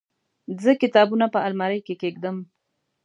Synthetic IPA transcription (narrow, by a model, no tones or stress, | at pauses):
zəkɪt̪ɑbunapəalmaɾəjkekeɡ̚d̪əm